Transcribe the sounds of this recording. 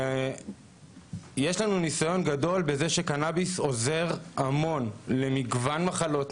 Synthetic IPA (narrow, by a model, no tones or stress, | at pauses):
jeʃlanunisajo̞nɡado̞lbeze̞ʃekanabiso̞ze̞ʁamo̞nle̞miɡvanmaχalo̞t